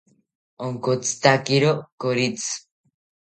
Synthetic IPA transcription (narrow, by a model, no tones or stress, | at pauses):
oŋkot͡st̪akiɾokoɾit͡s